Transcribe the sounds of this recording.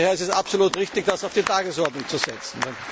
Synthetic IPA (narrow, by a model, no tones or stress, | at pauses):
heːɐɛsɛsapsoluːtʁɪçtɪçd̥asaʊfd̥iːtaːɡəsɔɐtnʊŋt͡suzɛt͡sn̩